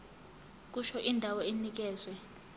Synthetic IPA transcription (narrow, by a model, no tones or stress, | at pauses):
k̬ʼuʃɔʔindʱawɔenik̬ɛːzwɛ